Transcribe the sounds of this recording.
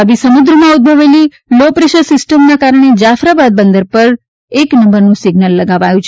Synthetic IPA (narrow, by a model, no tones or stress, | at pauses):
aʋisəmud̪ɾəmãud̪̚bʱəʋeli | lopɾeʃəɾsɪsʈəmnakaɾɳ̃ed͡ʒafɾabad̪̚bənd̪əɾpəɾ | eknəmbəɾnũsɪɡnəlːəɡaʋajũt͡ʃʰ